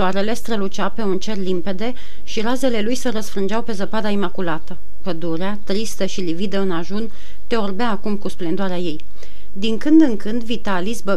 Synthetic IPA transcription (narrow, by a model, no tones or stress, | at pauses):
ʃoaɾe̞le̞st̪ɾəlut͡ʃape̞unt͡ʃe̞rlimpe̞d̪e̞ | ʃiɾaze̞le̞lujseɾəsfɾɨnd͡ʒawpe̞zəpad̪aimakulat̪ə | pəd̪uɾeat̪ɾist̪əʃilivid̪əɨnaʒun | t̪e̞orbeaːkumkusplend̪oaɾeaje̞j | d̪iŋkɨnd̪ɨŋkɨnd̪vit̪alisbə